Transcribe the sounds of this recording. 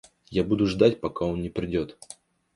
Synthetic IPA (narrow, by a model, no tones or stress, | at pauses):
jabud̪ʊʐd̪atʲpɐkao̞nnʲɪpɾʲɪdʲot̪